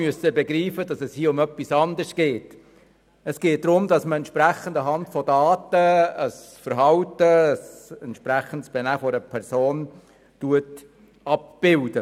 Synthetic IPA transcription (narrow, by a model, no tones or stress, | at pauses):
yəsəbɛɡɾiːfədɑsɛshiːəʊmœpːisɑndəɾsɡ̥eːt | ɛsɡ̥eːt̚dɾʊmdɑsməɛntt͡ʃʃpɾæχəndəɦɑntfɔdɑːtəəs | fəɾɦɑwtəːsɛntʃpɾæχən̩tsb̥ɛnæːfɔɾəpʰɛɾsoːn | tuət | ɑp̚b̥ɪld̥ə